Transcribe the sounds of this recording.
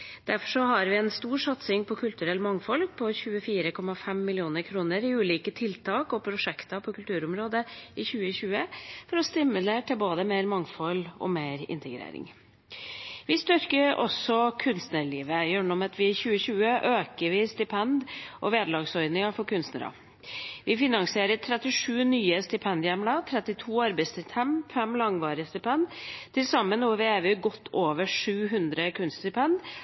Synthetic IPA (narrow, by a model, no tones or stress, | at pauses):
d̪̥æɾfɔʂɔɦɑɾʋɪɛnst̪uːɾʂɑt̪sɪŋpʰɔkʰʉlt̪ʉɾɛlːmɑŋːfɔl̚pʰɔçʉːəfiːɾəkʰɔmɑfɛmːɪlɪuːnəɾkʰɾuːnəɾɪʉːliːkət̪ʰɪlt̪ʰɑːkɔpʰɾʊʂɛkt̪ɑpʰɔkʰʉlt̪ʰʉːɾʊmɾoːd̪əɪçʉːəɕʉːəfɔɾɔst̪ɪmʉleːʈɪlboːd̪əmeɪɾmɑŋfɔlːɔ̰meːɾɪ̰nt̪ʰəɡɾḛːɾɪ̰ŋ | ʋɪst̪ʏɾkəɾɔ̰sːɔkʰʉnst̪nəɭiːʋəjœːɳɔmɑt̪ʰʋɪçʉːəɕʉːəʔøːkəɾʋɪst̪ɪpʰɛnd̪ʔɔʋeːd̪lɑːɡsɔʏd̪nɪŋɑfɔɾkʰʉnst̪nəɾɑ̰ | ʋɪfɪnɑŋsɪeːɾəɾt̪ʰɾɛt̪ɪʂʉːnyːəst̪ɪpʰɛnd̪jæmlɑt̪ʰɾɛt̪ɪt̪ʰuːɑɾbæɪst̪ɪt̪ɛmfɛmlɑŋʋɑːɾəst̪ɪpʰɛnd̪t̪ʰɪlsɑmːənuːʋɪeːʋʉɡɔt̪ʰːoːʋəʂʉːɦʉnd̪ɾəkʰʉnst̪ɪpʰɛnd̪